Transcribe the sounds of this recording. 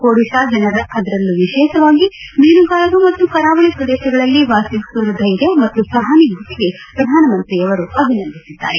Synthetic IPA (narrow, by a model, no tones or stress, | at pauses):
koːɽiʃaːd͡ʒɐnɐɾɐʔɐd̪ɐɾɐlːuʋiʃɛːʃɐʋaːɡimeːnuɡaːlɐɡ̪umɐt̪ːukɐɾaːʋɐɭipɾɐd̪ɛːʃɐɡɐɭɐlːiʋaːsikuɾɐd̪ʱɐjɾjɐmɐt̪ːusɾɐd̪ʱaːniɡʱuʈiɡe̞ | pɾɐd̪ʱaːnɐmɐnt̪ɾiɐʋɐɾuɐbʱinɐnd̪ʱisid̪ːa̰ːɾe